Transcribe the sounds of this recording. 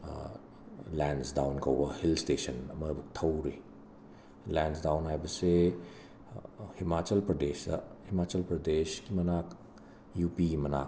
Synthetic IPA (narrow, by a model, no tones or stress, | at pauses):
lensdawnkɐwbɐhilstesɐnɐmɐbuk̚tʰɐwɾi | lensdawnɦajbɐse | himat͡ʃɐlpɾɐdesɐ̰himat͡ʃɐlpɾɐdeskimɐnak | jupiimɐna̰k̚